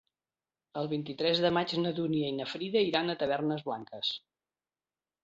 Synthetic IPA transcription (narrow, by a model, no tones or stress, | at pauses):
əlˠβint̪it̪ɾɛzðəmad͡ʒnəðuniəinəfɾiðəiɾanət̪əβ̞ɛrnəzβlaŋkəs